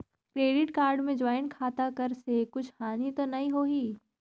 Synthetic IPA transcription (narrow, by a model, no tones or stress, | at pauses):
kɾeːɖɪʈkaːɾɖmẽd͡ʒaːɪnkʰaːt̪akɐɾsekʊt͡ʃʰhaːnit̪onɐɦĩɦoːɦiː